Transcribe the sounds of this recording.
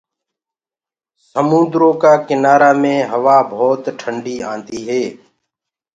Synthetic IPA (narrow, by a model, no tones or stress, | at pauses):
səmũːnd̪ɾõːkaːkɪnaːɾaːmẽːɦəʋaːbʱoːt̪ʈʰəɳɖiːãːnd̪iːɦeː